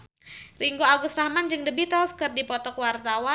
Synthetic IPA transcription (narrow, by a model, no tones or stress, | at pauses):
riŋɡoaɡʊsrahmand͡ʒɨŋdəbit̪askɨrdipɔt̪ɔkwart̪awa